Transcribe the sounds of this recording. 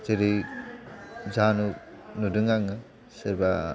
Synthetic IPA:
teɾɯ | zanunudɯŋaŋɯ | seɾba

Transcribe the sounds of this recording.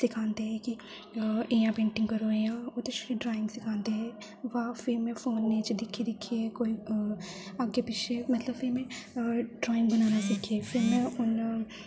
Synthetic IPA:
sɪkʰãːnd̪eɦɛki | ejãpẽːɳʈɪ̃ŋɡkəɾoejãːot̪eʃɾiɖɾaːɪ̃ŋɡsɪkʰãːnd̪eɦɛ̃ | ʋafʰɪɾmẽfoːnːet͡ʃd̪ɪkʰːed̪ɪkʰːiekoːi | aːɡepɪt͡ʃʰemɐt̪ləbfʰɪɾmɛ̃ɖɾaːɪ̃ŋɡbɐnaːnasɪkʰepʰɪɾmẽʊn

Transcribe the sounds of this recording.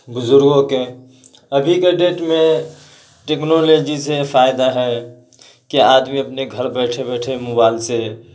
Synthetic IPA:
bʊzʊɾɡoke | əbʱikeɖeːʈmẽ | ʈeknoled͡ʒisefʰajd̪aɦɛ | kiaːd̪miəpneɡʱəɾbɛːʈʰebɛːʈʰemʊbaɪlse

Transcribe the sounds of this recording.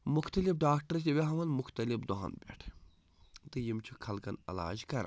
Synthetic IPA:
mʊxt̪ɐlifɖaːkʈɐɾt̪ʲiʋʲeɦɐmɐnmʊxt̪ɐlifd̪oɦɐ̰nbʲḛʈʰ | t̪ɨjimt͡ʃʰukʰɐlkɐnɐ̰la̰ːd͡ʒkɐɾ

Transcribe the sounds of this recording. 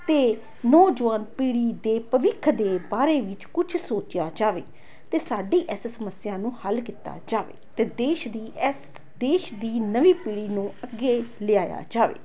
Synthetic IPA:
t̪eː | nɔːd͡ʒʋaːnpiːɽiːd̪eːpəʋɪkʰd̪eːbaːɾeːʋɪt͡ʃkʊt͡ʃʰsoːt͡ʃɪjaːd͡ʒaːʋḛː | t̪eːsaːɖiːʔɪssəməsɪjãːnũːhəlkɪt̪a̰ːd͡ʒaːʋḛːt̪eːd̪eːʃd̪iːɛs | d̪eːʃd̪iːnəʋiːpiːɽiːnũːəɡːeːlɪaːja̰ːd͡ʒaːʋḛː

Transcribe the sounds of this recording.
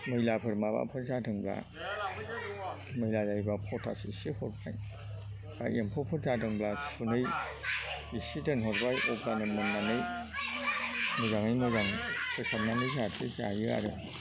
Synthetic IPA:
mɯjlapʰɯɾmaba̰pʰɯɾzadɯŋbla̰ | mɯjlazajbapʰɔtʰasiisihɔt̚ba̰j | b̥a̰ʔempʰopʰɯɾzadɯŋblasunɯj | isidɯŋɦɔɾ̚bajʔɔblanɯmɯnːanɯj | mɯzaŋɯjmɯzaŋpʰɯsamnanɯjzatʰisa̰jɯa̰ɾɯ̰

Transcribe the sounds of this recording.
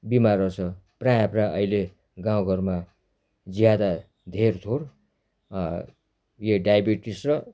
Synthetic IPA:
bimaɾʌsʰʌprajapraʔʌjle | ɡãw̃ɡʱʌrma | d͡zijad̪a | d̪ʱert̪ʰoɾ | jeɖajabiʈisrʌ

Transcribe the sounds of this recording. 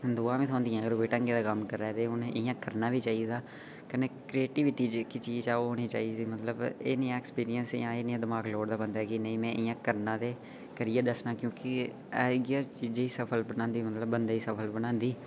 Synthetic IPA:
d̪oːãːʋĩːt̪ʰõːnd̪iãːəɡəɾʋeːʈə̃ŋɡeːd̪aːkəmkəɾːɛːt̪eːɦʊnɪjãːkəɾnãːʋiːt͡ʃaːiːd̪aː | kəneːkɾieːʈiːʋɪʈiːd͡ʒkit͡ʃiːd͡ʒt͡ʃaːoɦoːɽ̃iːt͡ʃa̰ːiːd̪iːmət̪ləbeːnɪːãːɛkspiːɾɪjənsjãːeːnɪ̃ãːd̪əmaːɡloːɽd̪aːbənd̪aːkinəĩːmɛ̃ːʔɪjãːkəɾnãːd̪eː | kəɾijaːd̪əsnãːkjõːkɪ | aːɡaːt͡ʃiːd͡ʒeiːsəpʰəlbənãːnd̪iːmət̪ləbːənd̪aːiːsəpʰəlbənãːnd̪iː

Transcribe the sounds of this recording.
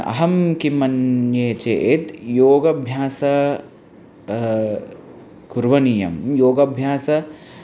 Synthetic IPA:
ɐ̰ɦɐmkimɐnjeːt͡ʃḛʔet̪joːɡɐbʱjaːsɐ | kuɾʋɐnijɐ̰mjoːɡɐbʱjaːsɐ

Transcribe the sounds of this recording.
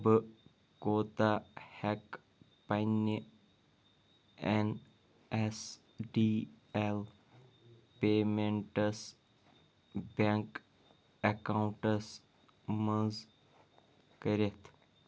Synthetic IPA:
b | koːt̪ahɛk | pani | en | es | ɖiː | el | peːmẽɳʈəs | bãŋk | ɐkaw̃ɳʈəs | mə̃z | kəɾet̪ʰ

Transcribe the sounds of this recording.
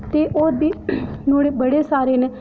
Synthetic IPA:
t̪eːʔoːɾbiːnoːɽeːbəɽeːsaːɾeːneː

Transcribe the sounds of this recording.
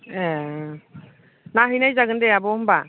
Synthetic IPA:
ɛ | naɦɯjnajzaɡɯndɛabɔmba

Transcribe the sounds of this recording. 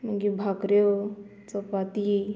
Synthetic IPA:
məɡibʱakɾe | t͡səpat̪i

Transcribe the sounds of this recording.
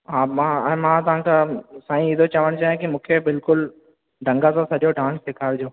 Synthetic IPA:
ɦãːmãɛ̃ːmãt̪ɐʋ̤ãkʰasaːĩɪd̪ʱot͡ɕɐʋəɽ̃t͡ɕaːɦẽkimũːkʰebɪlkʊl | ɖʱɐ̃ŋɡasãsɐʄoɖãːnssɪkʰaːɾd͡ʑoː

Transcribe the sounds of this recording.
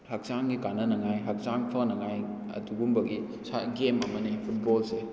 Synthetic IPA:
hak̚saŋɡikanɐnɐŋajɦɐk̚saŋpʰɐnɐŋaj | ɐ̰duɡumbɐɡi | saɡemɐmɐnipʰut̚bɔlse

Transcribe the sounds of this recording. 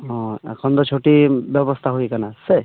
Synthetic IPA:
ɔ̃ɛ̰kʰɔnt̪ɔt͡ʃʰoʈibjɔbɔst̪ʰaɦuikanase

